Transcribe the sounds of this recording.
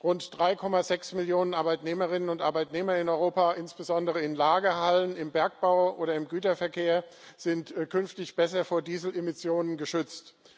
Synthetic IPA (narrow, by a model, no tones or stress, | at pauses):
ʁʊntd̥ʁaɪkʰɔmazɛksmɪljoːnənʔaɐbaɪtneːməʁɪnənʊntʔa̰ɐbaɪtneːmɐɪnɔʏʁoːpaːʔɪnsb̥əzɔndəʁəɪnlaːɡəɦalənɪmbɛɐk̚b̥aʊʔoːɾɐɪmɡyːtɐfɛɐkʰeːɐz̥ɪntkʰʏnftɪçb̥ɛsɐfoːɐdiːzl̩emɪsjoːnənɡəʃʏt͡st